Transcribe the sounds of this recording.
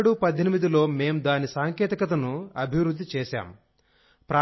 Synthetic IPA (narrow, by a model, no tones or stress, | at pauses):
ɽupɐd̪ʱːenimid̪ilo̞ːme̞ːmd̪aːnisaːŋkɛːt̪ikɐt̪̬ɐnuɐbʱiʋɾud̪ːit͡ʃɛːʃa̰ːm | pɾaː